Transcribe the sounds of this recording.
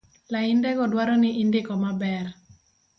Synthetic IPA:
laɪndɛɡɔdwaɾɔnɪʔɪndɪkɔmabɛr

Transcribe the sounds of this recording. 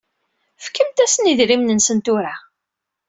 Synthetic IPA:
fkːəmt̪æsəniðɾimnənsənt̪ʊɾa

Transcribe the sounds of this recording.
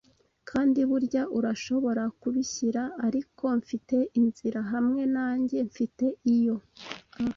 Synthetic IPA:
kʰaːndiβuɾɟaʔuɾaʃo̞βo̞ɾakuβiçiɾaːɾikʰo̞ɱfite̞ʔinziɾaɦamŋe̞naːɲɟe̞ɱfite̞ijo̞

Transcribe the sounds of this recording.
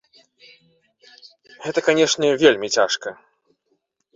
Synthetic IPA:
ɣɛt̪ɐkanʲɛʂnʲɛvʲelʲmʲit͡sʲaʂkɐ

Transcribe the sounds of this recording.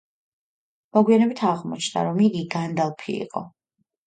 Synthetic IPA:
mɔɡwianɛbit̪ʰaʁmɔ̰t͡ʃʰnd̪a̰ɾɔmiɡiɡand̪alˠpʰḭːqʼɔ̰

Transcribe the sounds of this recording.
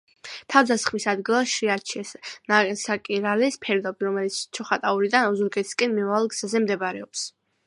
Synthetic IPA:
t̪ʰavd̪asχmisad̪ɡilˠaʃɾiat͡ʃʰiɛsnasakʼiɾalɛspʰɛɾd̪ɔbiɾɔmɛlit̪sʰt͡ʃʰɔχat̪ʼauɾid̪anɔzuɾɡɛt̪ʰi̥skʼɛnmimavalˠɡz̥azɛmd̪ɛbaɾɛɔps

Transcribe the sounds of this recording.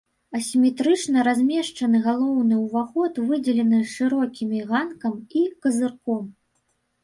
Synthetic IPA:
ɐsʲimʲɛt̪ɾɨt͡ʂnɐɾazʲmʲɛʂt͡ʂɐnɨɣalˠɔwnɨwvaxɔt̪vɨd͡zʲɛlʲɛnɨʂɨɾɔkʲimʲiɣankɐmikɐzɨrkɔm

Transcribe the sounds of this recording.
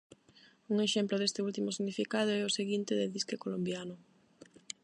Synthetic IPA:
uŋeʃemplʊðest̪ɪult̪imʊsiɣnifikað̞ʊɛʊseɣint̪ɪðeðiskekolombjanʊ

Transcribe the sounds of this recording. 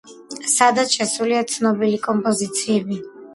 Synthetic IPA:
sad̪aʃasuliat̪sʰnɔbilikʼɔmpʼɔzit̪sʰiɛbi

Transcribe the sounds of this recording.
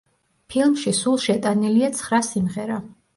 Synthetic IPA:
pʰilˠmʃisulˠʃɛt̪ʼaniliat̪sʰχɾasimʁɛɾa

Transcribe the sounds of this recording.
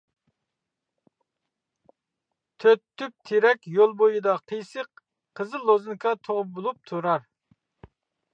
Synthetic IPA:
t̪ʰøt̪ʰːyp̚t̪ʰeɾɛkʲjolˠbojid̪ɑqʰəjsəq | qʰəzɨlˠːozɨnkʰɑt̪ʰoʁʊp̚bulˠup̚t̪ʰuɾɑɾ

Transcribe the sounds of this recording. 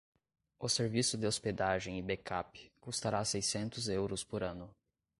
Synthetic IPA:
ʊseɾvisʊd̪ɪosped̪aʒẽj̃ɪbekʰapɪ̥kust̪aɾasejsẽnt̪ʊzewɾʊspoɾɐ̃nʊ

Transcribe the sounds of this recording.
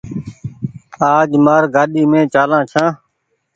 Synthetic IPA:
aːd͡ʒmaːɾɡaːɗiːmẽːt͡ʃaːlãːt͡ʃʰãː

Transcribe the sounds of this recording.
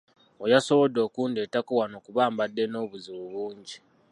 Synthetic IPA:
ojaso̞βo̞dːo̞ːkuːndetakuwano̞kuβaːmbadːe̞no̞ːβuziβuβuːɲɟi

